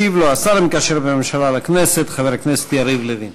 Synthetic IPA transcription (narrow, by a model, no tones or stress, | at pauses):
ivloasaɾmkaʃeɾbememʃalalakneset̪χaveɾaknese̥t̪jaɾivleðin